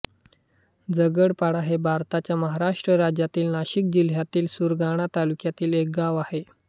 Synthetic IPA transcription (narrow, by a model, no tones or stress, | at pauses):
d͡zəɡəɽpaɽaɦebʱaɾt̪at͡ɕjaməɦaɾaʂʈɾəɾad͡ʑjat̪iːlnaɕik̚d͡ʑil̤ɦjat̪iːlsuɾɡaɽ̃at̪alukjat̪iːlek̚ɡaʋahe